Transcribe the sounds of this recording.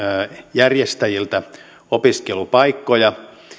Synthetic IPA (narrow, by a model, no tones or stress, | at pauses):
jærjest̪æjilt̪æ | opiskelupɑikːojɑ